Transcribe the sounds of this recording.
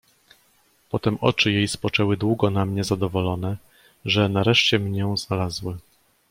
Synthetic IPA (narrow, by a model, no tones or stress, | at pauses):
pɔt̪ɛmʔɔ̰t͡ʂɘjejspɔt͡ʂɛwɘd̪wuɡɔnamɲɛzad̪ɔvɔlɔnɛ | ʐɛnaɾɛʂt͡ɕɛmɲɛznalazwɘ